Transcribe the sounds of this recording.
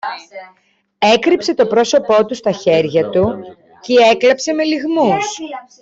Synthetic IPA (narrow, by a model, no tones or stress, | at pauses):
e̞kɾipse̞t̪o̞pɾo̞so̞po̞t̪ust̪ɐçe̞ɾʝɐt̪u | cee̞klɐpse̞me̞liɣmus